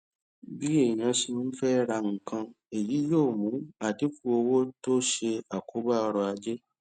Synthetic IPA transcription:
bi˦e˦˨ĩ˨nã˧si˧n̩˦fɛ˦ɾa˧ŋ̩˨kã˧ | e˨ji˨˦jo˦˨mũ˨˦a˨ti˨˦fu˦o˧wo˦to˦ʃe˧a˨kʰo˨˦ba˦ɔ˧ɾɔ˧a˧d͡ʒe˦

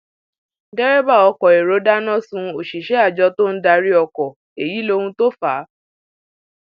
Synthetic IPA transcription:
dɛ˦ɾɛ˦ba˦˨ɔ˧kɔ˨e˨ɾo˨˦da˦nɔ̃˦˨sũ˧o˨ʃi˨ʃɛ˦a˦˨d͡ʒɔ˧to˦n̩˦da˧ɾi˦ɔ˧kɔ˨ | e˨ji˨˦lo˧hũ˧to˦fa˨˦

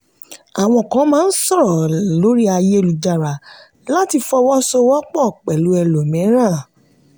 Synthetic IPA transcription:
a˨w̃ɔ̃˧˨kã˨˦mãː˦˧n̩˦sɔ˦˨ɾɔ˨lo˨˦ɾi˦a˧je˦e˦˧lu˨d͡ʒa˨ɾa˨ | la˦˨ti˧fɔ˧wɔ˦sɔ˧wɔ˦k͡pɔ˦˨k͡pɛ˨lu˨˦ɛ˧lo˨mĩ˨˦ɾ̃ã˦˨

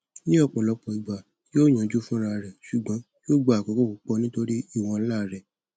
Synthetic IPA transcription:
nĩ˦ɔ˦˨k͡pɔ˨lɔ˨˦k͡pɔ˧i˨ɡ͡ba˨ | joː˦˨j̃ã˨˦d͡ʒu˦fũ˦ɾa˧˨ɾɛ˨ʃu˨ɡ͡bɔ̃˨˦ | joː˦˨ɡ͡ba˨kɔ̃˨˦ko˦˨ku˨˦k͡pɔ˧nĩ˦to˧ɾi˦i˦˨w̃ɔ̃˧˦la˦˨ɾɛ˨

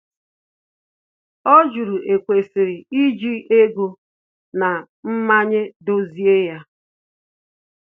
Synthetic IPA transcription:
o˦d͡ʒu˨ɾu˨e˨kʷe˨si˨ɾi˨i˦d͡ʒi˦e˦ɡu˨ | na˨ | m̩˦ma˦ɲe˦do˦zi˦e˦ja˦

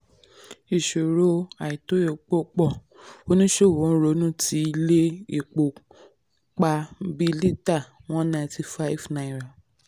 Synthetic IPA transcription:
i˨ʃo˨ɾo˦a˨i˨to˨˦o˨k͡po˦k͡pɔ˦˨ | o˦nũ˦ʃe˦˨wo˨˦n̩˦ɾo˦nũ˦ti˨˦i˦le˦i˦˨k͡po˨ | k͡pa˧bi˦li˦ta˦˨w̃ɔ̃˦nã˧˨˧ti˧fa˦i˦˨fnã˧˦ĩ˨ɾa˨

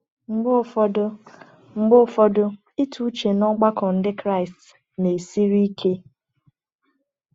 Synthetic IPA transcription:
ŋ͡m̩˨ɡ͡bʊ˦˨fɔ˨dʊ˦ | ŋ͡m̩˨ɡ͡bʊ˦˨fɔ˦dʊ˦ | i˦tʰu˦t͡ʃe˨nɔ˦ɡ͡ba˦kɔ˨n̩˦dɪ˦kɾa˦˨ɪ˨st | ne˨si˦ɾi˦kʰe˦

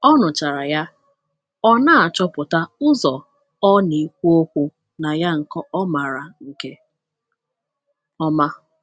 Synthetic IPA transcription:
ɔ˦nʊ˨t͡ʃa˨ɾa˨ja˦ | ɔ˦na˦a˨t͡ʃɔ˦pʊ˨ta˦ʊ˦zɔ˨ | ɔ˦ni˨kʷu˦o˦kʷu˦ | na˨ja˦ŋ̩˨kɔ˦ɔ˦ma˨ɾa˨ŋ̩˨ke˦ | ɔ˦ma˦

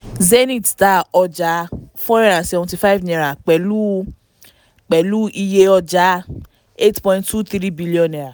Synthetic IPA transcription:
ze˦nĩ˨tta˦ɔ˧d͡ʒa˦fɔ̃˦ɛ˦ɾa˨sɛ˨vɔ̃˨ti˧fa˦i˦vnɛ̃˨ɾa˨k͡pɛ˨lu˦ | k͡pɛ˨lu˦ʔi˧je˧ɔ˧d͡ʒa˨˦ | e˦tpɔ̃˧ĩnttu˦t̪iɾi˦bi˦li˦ɔ̃˨nɛ̃˨ɾa˨

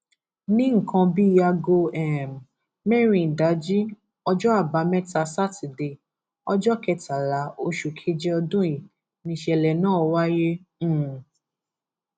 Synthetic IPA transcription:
nĩ˦ŋ̩˨kʰã˧bi˦a˧ɡo˧ɛ˨m | mɛ˦ɾĩ˨n˨da˨˦d͡ʒi˦ | ɔ˧d͡ʒɔ˦a˦˨ba˨˦mɛ˦ta˧sa˦ti˨de˧˨ | ɔ˧d͡ʒɔ˦kɛ˧ta˨la˨˦o˦ʃu˨kʰe˦d͡ʒɛ˦ɔ˧dũ˦i˨ | nĩ˧˦ʃɛ˧˨lɛ˨nãː˦˨˧wa˦jẽ˦˨

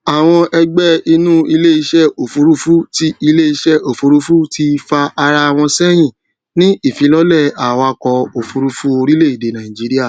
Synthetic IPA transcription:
a˨w̃ɔ̃˧ʔɛ˧ɡ͡bɛ˦i˧nũ˦i˧le˦i˧ʃɛ˦o˨fu˨˧ɾu˦fu˦ti˦i˧le˦i˧ʃɛ˦o˨fu˧ɾu˦fu˦ti˧fa˧a˧ɾa˧a˨w̃ɔ̃˧sɛ˦j̃ĩ˨ | nĩ˦i˦˨fĩ˨˦lɔ˦lɛ˦˨a˨wa˧kɔ˧o˨fu˧ɾu˦fu˦o˧ɾi˦le˦˨i˨de˨˦nã˨ĩ˨d͡ʒi˨˦ɾi˦a˦˨

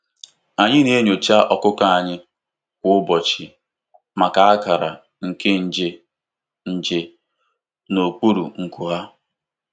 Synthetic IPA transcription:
a˨ɲɪ˦ne˦ɲo˨t͡ʃa˦ʔɔ˨kʊ˦ka˦a˨ɲɪ˦ | kʷʊ˦ʊ˦bɔ˨t͡ʃɪ˨ | ma˨ka˨a˦ka˨ɾa̰˨ | ŋ̩˨ke˦n̩˨d͡ʒe˦ | n̩˨d͡ʒe˨ | no˨k͡pu˦ɾṵ˨ŋ̩˨ku˨ɦa˦

